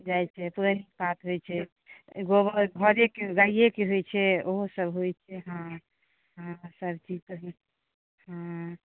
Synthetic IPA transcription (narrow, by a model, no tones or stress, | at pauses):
d͡ʒajt͡ʃʰɛpuɾənik̚pat̪ɦojt͡ʃʰɛ | ɡobəɡʱəɾekeɡaijekeɦojt͡ʃʰɛoɦosəbɦojt͡ʃʰɛɦã | ãsəbʱt͡ʃid͡ʒt̪əɦ | ɦã